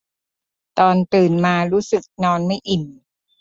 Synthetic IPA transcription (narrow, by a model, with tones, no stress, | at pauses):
t̪ɔː˧nt̪ɯː˨˩nmaː˧ɾuː˦˥sɯ˨˩k̚nɔː˧nma˥˩jʔi˨˩n